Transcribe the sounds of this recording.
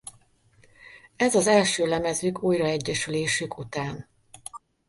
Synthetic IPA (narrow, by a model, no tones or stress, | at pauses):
ɛzɒzɛlʃøːlɛmɛzyːkuːjrɒɛɟːɛʃyleːʃykut̪aːn